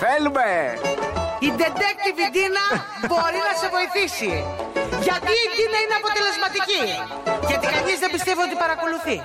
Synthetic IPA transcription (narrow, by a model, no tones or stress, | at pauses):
θelume | id̪e̞d̪ek̚t̪ivid̪inɐ | bo̞ɾinɐse̞vo̞iθisiʝɐt̪iːd̪inɐineɐpo̞t̪e̞le̞zmɐt̪ici | cɐt̪ikɐnizðebist̪evio̞t̪ipɐɾɐko̞luθi